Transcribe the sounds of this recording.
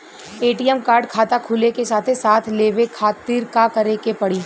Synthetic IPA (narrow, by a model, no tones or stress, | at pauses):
eːʈiɛmkaːɾɖkʰaːt̪akʰʊlekesaːt̪ʰesaːt̪ʰleːʋekʰaːt̪ɪɾkakɐɾekepɐɽiː